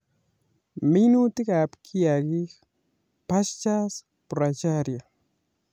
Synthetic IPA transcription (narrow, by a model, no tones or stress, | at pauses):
minut̪ɪkaːpkʰijaɡi | past͡ʃas | pɾat͡ʃaɾja